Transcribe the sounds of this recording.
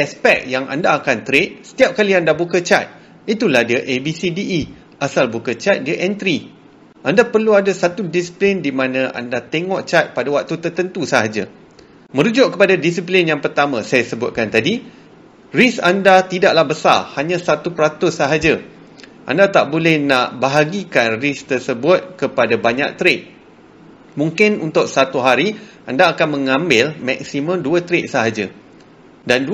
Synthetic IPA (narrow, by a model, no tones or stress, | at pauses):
ɛspɛk̚jaŋa̰ndaːkant̪əɾet̪̚sə̥t̪iap̚kaliandabukət͡ʃa̰t̪̚ | it̪ulahdiaʔebisidiʔː | ʔasalbukət͡ʃat̪̚diaʔɛnt̪ɾi | ʔandapərluadasat̪udisi̥plɪndimãnãʔa̰ndat̪ɛŋɔʔt͡ʃat̪̚padawak̚t̪ut̪ərt̪ənt̪usaɦad͡ʒa̰ | mə̃ɾud͡ʒʊʔ̚kːəpadadis̬iplɪnjaŋpərt̪amãsajasəbʊt̪̚kant̪adi | risandat̪idaʔlahbəsa̰rhaɲãsat̪upəɾat̪ʊsːaɦad͡ʒa | ʔa̰ndat̪aʔbolɛhnaʔbaɦaɡikanrist̪ərsəbʊt̪̚kəpadabaɲa̰k̚t̪ɾeʔ̚ | mũŋkɪnunt̪ʊk̚sat̪uɦaɾi | andaːkanmə̃ŋãmbɪlmak̚simə̃mduət̪ɾeʔsaɦad͡ʒa | dand